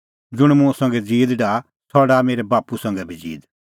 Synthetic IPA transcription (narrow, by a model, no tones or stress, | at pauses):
d͡zʊɽ̃mʊ̃sɐ̃ŋɡɛd͡ziːd̪ɖaː | t̪ʰɔːɽameːɾɛbaːpusɐ̃ŋɡɛbʱid͡zḭːd̪